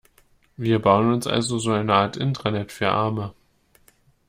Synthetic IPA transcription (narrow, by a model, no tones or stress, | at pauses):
viːɐbaʊənʊnsʔa̰lzozoːaɪnəʔaːɐtʔɪntʁ̥ɐnɛtfyːɐʔaɐmə